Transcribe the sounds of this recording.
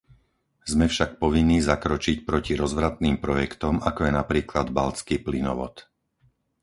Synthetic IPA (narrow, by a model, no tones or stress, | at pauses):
zmɛfʃak̚pɔʋinːiːzakɾɔt͡ʃicpɾɔciɾɔzʋɾat̪niːmpɾɔjɛkt̪ɔmakɔjɛnapɾiːklad̪balt͡skiplinɔ̰ʋɔ̰t̪